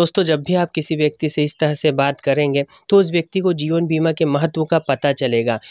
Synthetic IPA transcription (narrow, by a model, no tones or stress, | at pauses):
oːst̪õd͡ʒɐbːʱiaːp̚kɪsiʋjɐk̚t̪iseɪst̪ɐɾəɦsebaːt̪kɐɾẽːŋɡe | t̪oʊs̬ʋjɐk̚t̪ikod͡ʒiːʋənbiːmakemɐɦət̪wõkapɐt̪at͡ʃɐleːɡaː